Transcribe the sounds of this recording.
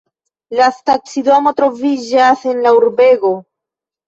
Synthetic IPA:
lastaksido̞mo̞tɾo̞vid͡ʒase̞nlauɾbe̞ɡo̞

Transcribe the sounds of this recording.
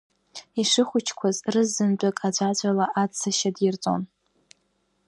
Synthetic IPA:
iʂɨχʷʊt͡ʃʰkʷʰazrɨzːɨnt͡pʼakʼad͡ʒʷad͡ʒʷʼalaʔat͡sʰːaʃadɪrt͡sʼo̰n

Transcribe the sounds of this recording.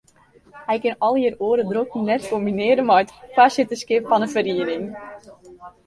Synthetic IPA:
hɛjkɪnɔlˠjəroəɾədrokninɛtkombinɪəɾənmɔjətfasɪtəskɪpfɔnəfəriənɪŋ

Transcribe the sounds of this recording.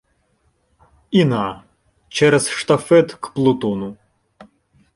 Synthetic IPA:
ina | t͡ʃɛɾɛzʃt̪ɐfɛt̪kplˠʊt̪ɔnʊ

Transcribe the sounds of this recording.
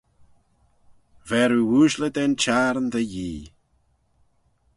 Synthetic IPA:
vɛɾuwuʃləd̪ɛnt͡ʃaɾnd̪əjiː

